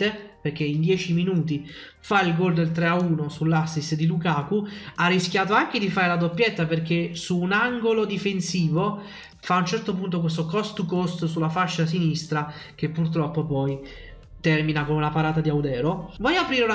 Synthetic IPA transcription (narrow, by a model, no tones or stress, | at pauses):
eperk̟eind̪jɛːt͡ʃiminuːt̪̬i | failɡold̪elt̪ɾeauːnosulːasːisd̪ilukaːkuarːisk̟jaːt̪oaŋk̟ed̪ifaːɾelad̪opːjet̪ːaperk̟esuːnaŋɡolod̪ifensiːvo | faːunt͡ʃɛrt̪opunt̪̬ok̬wes̬t̪okɔst̪ukost̪sulːafaʃːas̬inist̪ɾa | k̟epːurt̪ɾɔpːopɔj | t̪ɛrminakomunapaɾaːt̪ad̪iawd̪ɛːɾovɔjapɾiːɾeuna